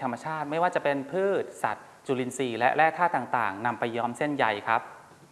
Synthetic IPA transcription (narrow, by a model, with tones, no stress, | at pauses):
t̪ʰa˧mːa˧t͡ɕʰaː˥˩t̪̚ma˥˩jwaː˥˩t͡ɕa˨˩ʔpe˧npʰɯː˥˩t̪̚sa̰˨˩t̪̚ | t͡ɕuː˧li˧nsiː˧˩lɛ˦˥ʔɾɛː˥˩t̪ʰaː˥˩t̪ːaː˨˩ŋt̪a̰ː˨˩ŋna˧mpa˧jːɔː˦˥mse˥˩nja˧jkʰa˦˥p̚